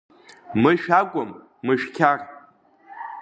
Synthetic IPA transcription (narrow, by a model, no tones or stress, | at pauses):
mɨʃᶣakʷʼʊmː | ɨʃᶣkʲʰarʼ